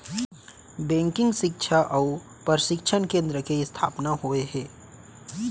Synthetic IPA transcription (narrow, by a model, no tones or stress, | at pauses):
bɛ̃ːŋkɪ̃ŋɡʃɪkʃʰaʔɐu | pəɾʃɪkʃʰənkẽːnd̪ɾəkeɪst̪ʰa̰ːpnaɦoeɦɛː